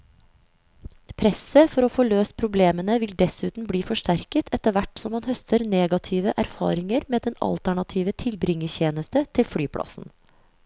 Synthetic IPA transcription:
pʰɾɛsəfɔɾoːfoːløːst̪̚pʰɾʊbleːmənəʋɪld̪ɛsʉːt̪n̩bliːfɔʂʈæɾkət̪ʰɛt̪əʋæʈsɔmhɑnhœst̪ʰəɾneːɡɑt̪ʰiːʋəʔæɾfɑ̰ːɾɪŋəɾmeːd̪ɛnɑ̰lt̪æɳɑt̪ʰiːʋət̪ʰɪlbɾɪŋːəçeːnəst̪ət̪ʰɪlfɽyːpʰɽɑ̰sn̩

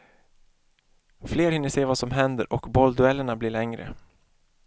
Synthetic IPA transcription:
fleːɾhɪnːəʂseːvasɔmɦɛnd̪ə̰ɾʔɔkbɔld̪ɵɛlːəɳablɪɭɛŋɾə̰

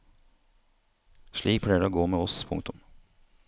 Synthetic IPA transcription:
ʃɭiːk̚pʰlɽæːjəɖeoːɡoːmeːɔspʰʊ̰ŋkt̪ʊm

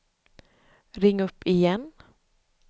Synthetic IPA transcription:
ɾɪŋːɵpːɪjɛn

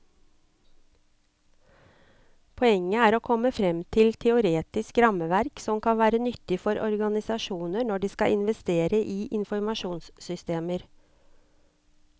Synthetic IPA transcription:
pʰɔɛŋːəæːɾoːkʰɔməfɾɛmt̪ʰɪlt̪ʰɛʊɾeːt̪ɪskɾɑməʋæɾksɔmkʰɑnʋæːɾənʏt̪ɪfɔɾʔɔɾɡɑnɪsɑʃuːnənɔɖiːskɑʔɪnʋɛst̪eːɾəʔiːʔɪnfɔɾmɑʃuːnssʏst̪eːməɾ

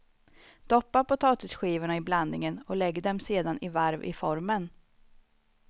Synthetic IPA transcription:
d̪̥ɔpːapɔt̪ʰɑːt̪ɪsɧiːvʊɳaɪbland̪nɪŋənɔlɛɡːd̪ɛmseːd̪anɪvaɾvɪ̰fɔɾmən

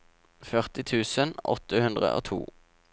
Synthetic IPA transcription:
fœʁt̪ɪt̪ʰʉːsənɔ̰t̪əhʉnd̪ʁə̰ʔo̰ːt̪ʰṵː

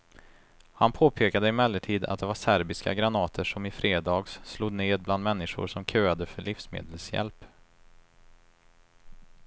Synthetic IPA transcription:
hanpʰoːpʰeːkad̪əɪmɛlːəʈʰiːd̪a̰t̪̚d̪ɛvaʂæɾbɪska̰ɡɾanɑːt̪ʰəʂɔmɪfɾeːd̪ɑːɡssluːd̪neːd̪bland̪mɛnːɪʂʊ̰ɾʂɔmkʰøːad̪əfœɭɪfsmḛːd̪əlsjɛ̰lp

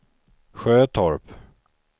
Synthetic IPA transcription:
ɧøːt̪ʰɔɹp

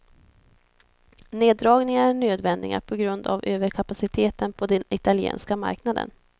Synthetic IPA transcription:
neːd̪ːɾɑːɡnɪŋaæɳøːd̪vɛnd̪ɪ̰ɡa̰pʰɔɡɾɵnd̪a̰vøːvəɾkʰapasɪt̪ʰeːt̪ənpʰɔd̪ɛnɪt̪aljḛːnskama̰ɾknad̪ə̰n

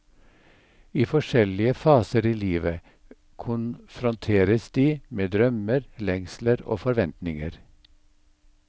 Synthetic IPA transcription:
iːfɔʃɛlɪəfɑːsəɾiːliːʋə | kʰʊnfɾʊnt̪ʰeːɾəsd̪̥iːmeːd̪ɾœməɾlɛŋsləɾo̰ːfɔɾʋɛnt̪nɪŋəɾ

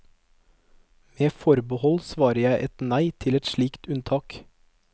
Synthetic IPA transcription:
meːfɔɾbəhɔlsʋɑːɾəjæɪʔɛt̪næɪt̪ʰɪlɛt̪ʃɭiːkt̪ʉnt̪ʰɑːk

